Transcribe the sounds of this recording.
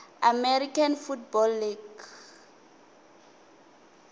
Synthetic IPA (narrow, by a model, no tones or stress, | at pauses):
amɛrikʰanfutbɔlːiɡ